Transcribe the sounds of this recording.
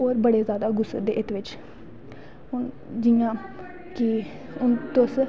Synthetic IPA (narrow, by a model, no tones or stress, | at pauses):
oːɾbəɽeːzjaːd̪aːɡʊsːəd̪eːʔɪt̪ʋɪt͡ʃ | ɦʊn | d͡ʒɪjãː | ki | ʊnt̪ʊs